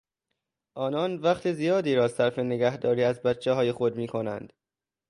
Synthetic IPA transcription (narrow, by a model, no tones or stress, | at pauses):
ʔɒːnɒnvæχt̪ʰezijɒːd̪iːɾɒːsæɾfe̞neɡæhd̪ɒːɾiːæzbæt̪t͡ʃʰːeɦɒːje̞xo̞d̪miːkʰo̞næ̰nd̪̥